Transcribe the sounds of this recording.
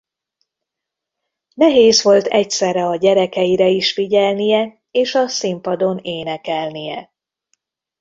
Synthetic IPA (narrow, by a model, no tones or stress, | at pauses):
nɛɦeːzʋo̞lt̪ɛcsɛrːɛɒɟɛɾɛkɛjiɾɛiʃfiɟɛlnijɛ | eːʃɒsimpɒd̪o̞neːnɛkɛlnijɛ